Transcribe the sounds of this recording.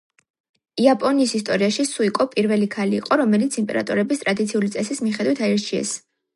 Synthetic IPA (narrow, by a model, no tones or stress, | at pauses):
iapʼɔniːsist̪ʼɔɾiaʃisuikʼɔpʼiɾvɛlikʰaliːqʼɔɾɔmɛlit̪sʰimpʼɛ̰ɾa̰t̪ʼɔɾɛbist̪ʼɾad̪it̪sʰiulit̪sʼɛsismiχɛd̪wit̪ʰaɛɾt͡ʃʰiɛ̰s